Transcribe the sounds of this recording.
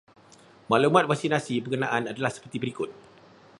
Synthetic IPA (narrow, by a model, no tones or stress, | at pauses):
maʔlumãt̪̚vaksinasibəkənã̰ʔanadalahsə̥pərt̪ibəɾikʊt̪̚